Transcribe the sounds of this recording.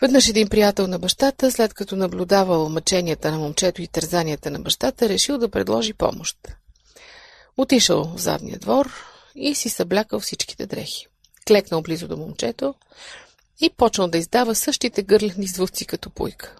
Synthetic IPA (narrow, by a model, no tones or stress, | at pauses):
vɛd̪nɤʃɛd̪inpɾijat̪ɛlˠnɐbɐʃt̪at̪əslɛt̪kɐt̪ɔnɐblʲud̪avəlˠmɐt͡ʃɛnijət̪ənɐmomt͡ʃɛt̪oit̪ɐɾzaniət̪ənɐbɐʃt̪at̪əɾɛʃilˠd̪ɐpɾɛ̰d̪lˠɔʒipɔ̰moʃt̪ | ot̪iʃə̰lˠvza̰d̪nḭjə̰d̪vɔɾ | isisɐblʲakəlˠfsit͡ʃki̥t̪ɛd̪ɾɛ̰xi̥ | klɛknəlˠblizʊd̪omomt͡ʃɛt̪o | ipɔt͡ʃnəlˠd̪ɐizd̪avəsɤʃt̪it̪ɛɡɤɾlʲɛxnizvust̪sikɐt̪ɔpṵjkə̥